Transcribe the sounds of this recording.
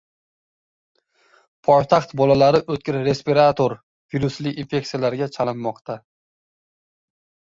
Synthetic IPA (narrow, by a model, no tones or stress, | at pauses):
pʰɒjt̪ʰaχt̪bɒlalaɾɪʔɵt̪̚kʲɪɾɾe̞spiɾat̪ʰoɾ | v̥iɾuslɪinfe̞k̚ʲt̪ijalaɾɡʲat͡ʃʰalɪnːɒqt̪ʰa